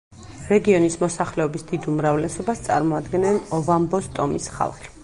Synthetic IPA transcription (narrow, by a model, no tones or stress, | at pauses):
ɾɛɡiɔnismɔsaχlɛɔbisd̪id̪umɾavlɛsɔbast̪sʼa̰ɾmɔad̪ɡɛnɛnɔvambɔst̪ʼɔmisχa̰lˠχi̥